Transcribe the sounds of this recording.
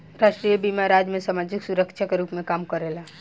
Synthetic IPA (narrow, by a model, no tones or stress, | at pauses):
ɾaːʃʈɾijebiːmaɾaːd͡ʒmẽsamaːd͡ʒɪksʊɾəkʃʰakeɾuːpmẽkaːmkəɾelaː